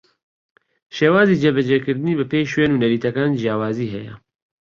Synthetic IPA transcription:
ʃeːwaːziːd͡ʒeːbɐd͡ʒekɨɾd̪ɨniːbɐpejʃweːnunɐɾiːt̪ʰɐkaːnd͡ʒijaːwaːziːɦɛjɐ̰

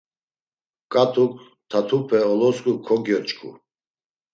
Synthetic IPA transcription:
kʼat̪ʰuk | t̪ʰat̪ʰupʰɛɔlɔskʼukʰɔɡjɔt͡ʃʼkʰʼṵ

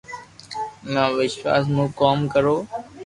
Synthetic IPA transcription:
mãːʋɪʃʋa̰ːs̬mũːkoːmkəɾoː

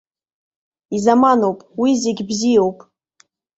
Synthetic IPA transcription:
izamanowpʼwizeɡʲbzijowpʼ

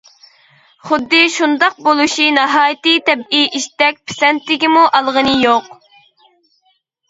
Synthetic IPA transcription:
χʊd̪ːɨʃund̪ɑq̚bolˠuʃinɑɦɑːjt̪ɨt̪ʰɛbiʔiʃt̪ɛk̚ʲpʰɪ̥sɛnt̪ːɪɡʲimuʔɑlˠʁənɨjoq

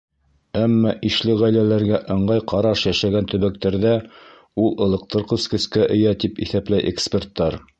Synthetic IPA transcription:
æmːɑʔiʃlɘʁæjlælæɾɡæʔɤ̆ɴɢɑjqɑɾɑʃjæʃæɡænt̪ɵ̆βæk̚t̪æɾðæ | ulˠɤ̆lˠɤ̆q̚t̪ʰɤɾqɤ̆skɵ̆skæʔɘ̆jæt̪ipiθæplæjʔekspʲert̪ːɑɾ

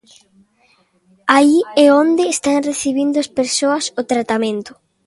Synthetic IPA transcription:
aiɛond̪ɪːst̪aŋreθiβ̞ind̪ʊaspeɾsoɐsʊt̪ɾat̪amẽnt̪ʊ̥

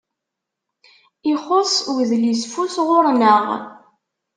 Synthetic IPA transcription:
iχosˤwðlisfusʁʊɾnəʁ

